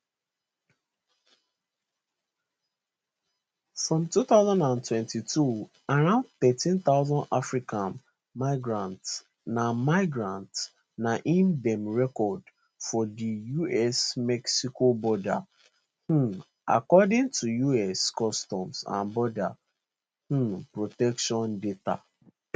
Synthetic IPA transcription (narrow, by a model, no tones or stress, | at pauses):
fɹɔ̃mtuθaʊzãndãntwɛ̃ntitʰu | aɾãʊ̃nd̚θɛtĩnt̪aʊzãndafɹikãn | maɪɡɹãnts | namaɪɡɹãnt | naʔĩmdɛ̃mɹɛkɔd | fɔdijuɛsmɛksikobɔda̰ | h̩ | a̰kɔdɪ̃ŋtʰujuɛskɔstɔ̃msã̰nbɔda | h̩pɹotɛkʃɔ̃ndeta̰